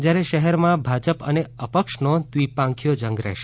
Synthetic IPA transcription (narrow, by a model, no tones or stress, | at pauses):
d͡ʒjaɾɛʃəɦɛɾmãbʱad͡ʒəpə̰neəpəkʃnot̪ʋipãŋkʰijod͡ʒə̃ŋɡɾɛ̰ɦʃe